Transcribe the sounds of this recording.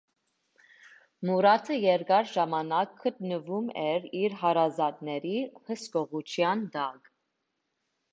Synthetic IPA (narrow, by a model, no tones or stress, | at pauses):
muɾɑt̪ʰəjɛɾɡɑɾʒɑmɑnɑkʰːət̪̚nəvumɛɾiɾɦɑɾɑzɑt̪nɛɾihəskɔʁut͡ʃʰjɑnd̪ɑk